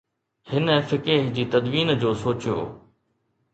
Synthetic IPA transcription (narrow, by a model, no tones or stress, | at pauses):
hɪnəfɪkeɦd͡ʑiːt̪ɐd̪ʋiːnd͡ʑoːsoːt͡ɕijo̰ː